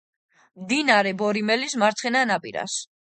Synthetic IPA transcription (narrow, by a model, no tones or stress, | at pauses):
md̪inaɾɛbɔɾimɛlismaɾt̪sʰχɛnanapʼḭɾa̰s